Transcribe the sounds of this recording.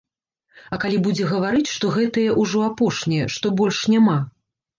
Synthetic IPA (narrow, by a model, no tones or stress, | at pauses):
ɐkalʲibud͡zʲɛɣɐvaɾɨt͡sʲʂt̪ɔɣɛt̪ɐjɐʔuʐɔapɔʂnʲɛjɛʂt̪ɔbɔlʲʂnʲama